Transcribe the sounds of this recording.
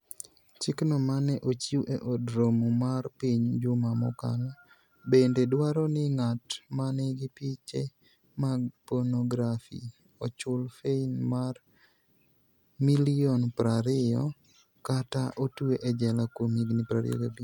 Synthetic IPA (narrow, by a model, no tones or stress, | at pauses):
t͡ʃɪknɔmanɛʔot͡ʃiuʔeʔodɾomumarpiɲd͡ʒʊmamɔ̰ka̰lɔ | bendedwaɾɔnɪŋatmanɛɡɪpit͡ʃe | maɡ̚pɔnɔɡɾafḭ | ɔt͡ʃʊlfeinmar | miliɔnpɾaɾɪɔ̰ | kataʔotuweʔɛd͡ʒɛlakomiɡnɪpɾaɾɪ̰ɔ̰ɡebi